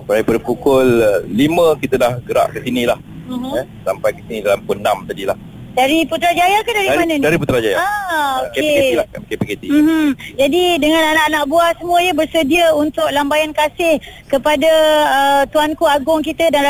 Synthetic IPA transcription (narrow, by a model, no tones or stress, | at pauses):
paɾipadapukʊlːimə̃kit̪ədahɡəɾa̰ʔkəsinilah̩ɦɛsampajkət̪inidalampunamt̪adilah | daɾiput̪ɾad͡ʒajakadaɾidapianəndaɾiput̪ɾad͡ʒajaaokeeeilakepiket̪im̩h̩d͡ʒadidəŋãnanaʔanaʔbuasəmũəɲabərsədiəunt̪ʊk̚lambajankasɪhkəpadaət̪uankuaɡʊŋkit̪ədan